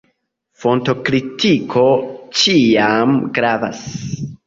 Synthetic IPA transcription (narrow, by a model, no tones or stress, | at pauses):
fo̞nto̞kɾitikʰo̞t͡ʃiamɡɾava̰s